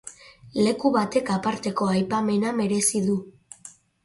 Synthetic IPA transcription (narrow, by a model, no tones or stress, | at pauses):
le̞kuβat̪e̞kapaɾt̪e̞ko̞ajpame̞name̞ɾe̞siðu